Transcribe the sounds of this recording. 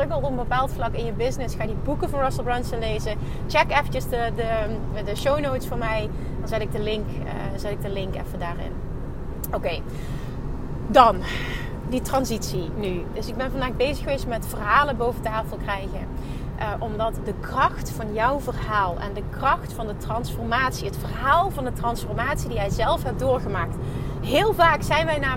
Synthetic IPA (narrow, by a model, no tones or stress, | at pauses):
əɡəlˠtɔpəmbəpaːlˠtflɑkɪnjəbɪznɪsxaːdibukəvɑnrɔsəlˠbrɛnsənlejzə | t͡ʃɛkɛfət͡ʃəsdədə | dəʃownowtsfʊːɹmɛj | dɑnzɛtɪɡ̚dəlɪŋk | zɛtɪɡ̚dəlɪŋkɛ̰fədaːrɪ̰n | owkej | dɑn | ditrɑnzitsinydɵsɪɡ̚bɛnvɑndaːxbejzəxəʋejstmɛtfərɦaːlənbowvətaːfəlˠkrɛjɣən | ʔʔɔmdɑtdəkrɑxtfɑnjɔwvərɦaːlˠɛ̰ndəkrɑxtfɑndətrɑnsfɔɹmaːtsiɦətfərɦaːlˠvɑndətrɑnsfɔrmaːtsidijɛjzɛlˠfɦɛp̚dʊːɹɣəmaːkt | ɦɪːlˠvaːksɛjnʋɛjnaː